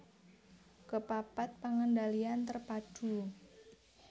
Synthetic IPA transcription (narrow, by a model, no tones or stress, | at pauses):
kəpapat̪̚paŋəndaliant̪ərpad̥ṳ